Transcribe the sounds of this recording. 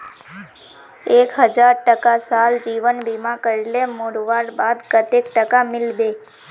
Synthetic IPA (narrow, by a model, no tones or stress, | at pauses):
ekɦəd͡ʒaɾʈəkasald͡ʒiʋənbimãkəɾilemoɽʋaɾbad̪kət̪ek̚ʈəkamɪlbe